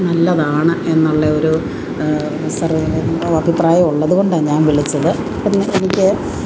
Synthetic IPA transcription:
nɐlːɐðaːɳɨe̞nːuɭːeoɾu | sɐrɐbʱipraːjɐmuɭːɐðuɣo̞ɳɖaːɲaːnʋiɭit͡ɕːɐðɨ | pːinːeenikʲːɨ

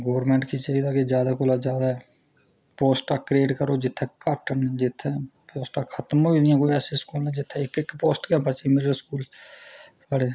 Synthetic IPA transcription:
ɡoːɾmɛ̃ːɳʈkiːt͡ʃaːɦiːd̪aːked͡ʒjaːd̪aːkoːlaːd͡ʒjaːd̪aːɛ | poːsʈaːkɾeːʈkəɾoːd͡ʒɪt̪ʰːɛːkəʈənd͡ʒɪt̪ʰːɛ̃ːpoːsʈaːkʰət̪moːilɪjãːkoːiɛːseːskuːlnɛ̃ːd͡ʒɪt̪ʰːɛːɪkɪkːpoːsʈkjãːpət͡ʃimɪɾəɾskuːl | saːɽeː

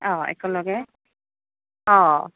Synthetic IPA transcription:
ɔ̃ɛ̰kʰɔnlɔɡɛ | ɔ̃

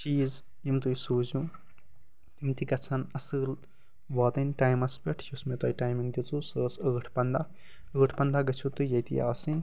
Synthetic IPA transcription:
t͡ʃiːz | jimt̪ujsuːzũ | t̪imt̪ikɐt͡sʰɐnɐsɨːl | ʋɔːt̪ɨnʈaːjmɐspʲɐʈʰjusmet̪ɐjʈaːjmiŋɡd̪ʲit͡susəːsəːʈʰpɐnd̪a | əːʈʰpɐnd̪aɡɐt͡ʃʰut̪ɨjɐjt̪ija̰ːsin

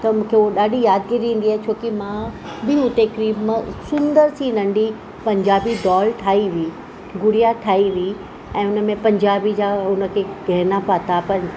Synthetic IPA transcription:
t̪ɐmũːkʰeuoɗaːɖʱijaːd̪̚ɡiɾĩːn̆d̪iaːɦet͡ɕʰoːkimã | bɪɦut̪ekɾiːbmə̃sʊ̃nd̪əɾsĩnɐ̃ɳɖi | pɐ̃ɲd͡ʑaːbid̪ɔːlʈʰaːiʋiiː | ɡʊɽijaʈʰaːiʋii | ɛ̃ːʊnə̆mẽpɐ̃ɲd͡ʑaːbid͡ʑaːʊnə̆kʰeːɡʱɐɦnapat̪apɐɾ

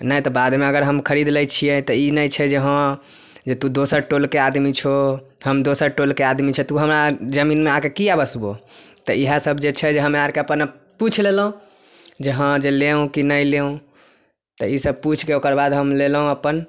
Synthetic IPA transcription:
nəjt̪ɔbad̪meəɡəɾɦəmkʰəɾid̪lɛjt͡ʃʰiɛt̪ɔinəjt͡ʃʰɛd͡ʒeɦə̃ | d͡ʒet̪ũd̪osəɾʈolkead̪mit͡ʃʰo | ɦəmd̪osəɾʈolkead̪mit͡ʃʰɛt̪uɦəmɾad͡ʒəminmeakekijabəsbot̪ɔiɦasəbʱd͡ʒet͡ʃʰɛd͡ʒeɦəmeaɾkeəpən | put͡ʃʰlelɦũ | d͡ʒeɦə̃d͡ʒeleũkinəjleũ | t̪ɔisəb̚put͡ʃʰkeokəɾbad̪ɦəmlelɦũəpən

